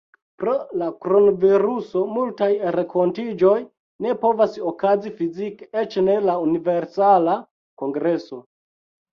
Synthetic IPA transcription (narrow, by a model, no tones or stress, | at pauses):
pɾolakɾonoviɾuso̞multajɾekʰo̞ntid͡ʒo̞j | ne̞po̞vasokazifiziket͡ʃne̞launive̞ɾsala | ko̞ŋɡɾe̞so̞